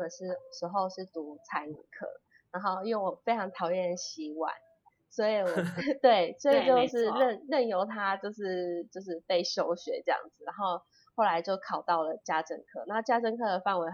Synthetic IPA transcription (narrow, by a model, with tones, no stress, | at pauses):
ə˨˩ʂɻ̩˥˩ʂɻ̩˧˥xo˥˧ʊʂɻ̩˥˩t̪u˧˥t͡sʰa˧˥nḭ˨˩kʰɤ̰˥˩ | na˧˥˦nxo˥˧ʊjo˥˩ŋwɔ˨˩fe˥ɪʈ͡ʂʰɑ˧˥ŋt̪ʰɑ˨˧ʊjɛ˥˩ə˩ɕi˧˥wa̰˥˩n | swɔ˧˥i˨˩˨t̪we˥˩ɪswɔ˧˥i˨˩t͡ɕjo˥˧ʊʂɻ̩˥˧lə˥˨nlə˥˨˩njo˧˥ʊt̪ʰa˥t͡ɕjo˥˧ʊʂɻ̩˥˧t͡ɕjo˥˧ʊʂ̬ɻ̩˥˧pe˥˩ɪɕjo˥ʊɕɥɛ̰˧˥ʈ͡ʂɤ˥˧jɑ̰˥˩ŋd͡z̩˨˩na˧˦nxo˥˧ʊ | xo˥˩ʊla˧˦ɪt͡ɕjo˥˩ʊkʰɑ˨˩ʊt̪ɑ˥˩ʊlə˩t͡ɕja˥ʈ͡ʂə˧ŋkʰɤ˥˩˨a˧˦˥t͡ɕja˥ʈ͡ʂə˥˧ŋkʰɤ˥˩d̪ə˩fa˥˩nwe˧˥ɪ